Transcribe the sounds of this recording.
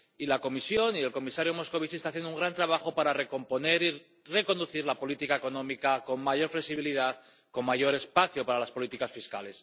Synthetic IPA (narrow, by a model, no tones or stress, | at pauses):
ilako̞misjo̞nie̞lko̞misaɾjomo̞sko̞β̞isest̪aθjenouŋɡɾant̪ɾaβaxo̞paɾareko̞mpo̞ne̞ɾi | re̞ko̞nd̪uθiɾlapo̞lit̪ikae̞ko̞nõ̞mikako̞ŋmaʝo̞ɾfle̞siβiliðað | ko̞mmaʝo̞ɾe̞spaθjopaɾalaspo̞lit̪ikasfiskale̞s